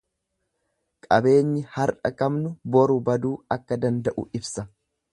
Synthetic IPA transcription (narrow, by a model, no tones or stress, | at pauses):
kʼɐbe̞ːɲːɪhɐɾᶑɐkɐmnʊbɔɾʊbɐd̪uːɐkːɐd̪ɐnd̪ɐʔʊ̰ʔɪbsɐ